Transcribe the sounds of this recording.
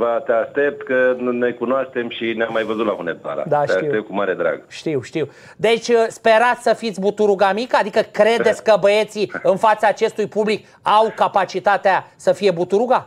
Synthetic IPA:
vat̪eaʃt̪e̞p̚t̪kənnojkunoaʃt̪e̞mʃineamːajvəzut̪laɦunet̪a̰ɾa̰td̪aʃeaʃiept̪kumaɾed̪ɾa̰ɡʃt̪iwʃt̪iw | d̪e̞t͡ʃʲspe̞ɾat̪sʲsəfit̪sʲbut̪uɾuɡamikəad̪ikəkɾe̞d̪et̪sʲkəbəe̞t̪siɨnfat̪saːt͡ʃe̞st̪ujpublik | awkapat͡ʃit̪at̪easəfije̞but̪uɾuɡa

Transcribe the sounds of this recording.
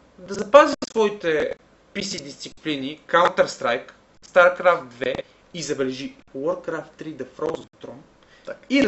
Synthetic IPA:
d̪ɐzɐpazisɐsvɔit̪ɛ | pisid̪ist̪siplinikant̪əɾst̪ɾajk | st̪aɾkɾaft̪̚d̪vɛ | izɐbɛlɛʒi | wɔɾːɾaft̪ːɾid̪ɐfɾɔzt̪ɾɔn | i

